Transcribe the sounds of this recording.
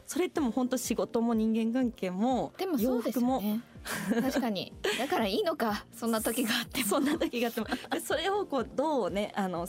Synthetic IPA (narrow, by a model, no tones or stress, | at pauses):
so̞ɾe̞t̪ːe̞mo̞hõ̞nt̪o̞ɕiɡo̞t̪o̞mo̞ɲ̟ĩŋɡẽ̞ŋkãŋke̞ːmo̞d̪emojoːɸɯd̪ekɯ̟mo̞et̪akaɲ̟ḭd̪akaɾaiːno̞kasõ̞nːat̪o̞kʲiɡaːt̪ːesõ̞nːat̪o̞kʲiɡat̪ːemod̪̥eso̞ɾe̞o̞ko̞ːd̪o̞ːne̞ʔano̞